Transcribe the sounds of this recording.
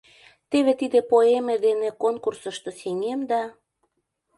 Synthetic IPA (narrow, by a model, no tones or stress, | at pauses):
t̪eβet̪id̪ĕpoemĕd̪enekonkursə̆ʃt̪oseŋemd̪ɑ